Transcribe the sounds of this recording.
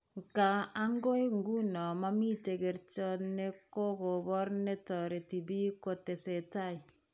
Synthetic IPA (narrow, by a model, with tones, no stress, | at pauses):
ŋ˨ka˨a˦ŋɡo˦i˦ŋ˦ɡu˦nɔ˨ma˦mi˦te˨ɡe˨ɾt͡ʃɔ˦ne˦ko˦ko˨bɔ˦ɾne˦tɔ˨ɾe˨ti˨bi˦ko˨te˨se˨ta˦˨i˨